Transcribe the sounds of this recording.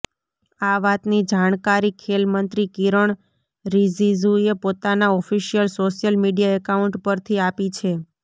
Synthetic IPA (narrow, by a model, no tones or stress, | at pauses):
aʋat̪nid͡ʒaɳ̃kaɾikʰelmənt̪ɾikiɾəɳ | ɾizizuepot̪anaɔfiʃijəlsoʃjəlmiɖijaɛkauɳʈpəɾt̪ʰiapit͡ʃʰe